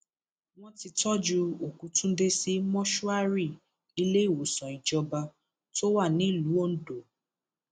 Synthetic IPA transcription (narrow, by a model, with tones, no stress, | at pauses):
w̃ɔ̃˦ti˧tɔ˦d͡ʒu˧o˨kũ˨˦tũ˦de˦si˧˦mɔ̃˦ʃu˦a˦ɾi˦˨ | i˧le˦i˦˨wo˨sɔ̃˨i˨d͡ʒɔ˧ba˧ | to˦wa˦˨nĩ˦˨lu˨˦o˦n̩˦˨do˨